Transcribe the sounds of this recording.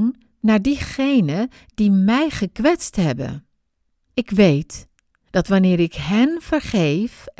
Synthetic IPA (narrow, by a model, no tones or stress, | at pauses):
nː | aːɹdiχejnə | d̥imɛjχəkʋɛtstɦɛbə̰n | ɪkʋejt | d̥ɑtʋanɪːɾɪkɦɛnv̥əɹχejf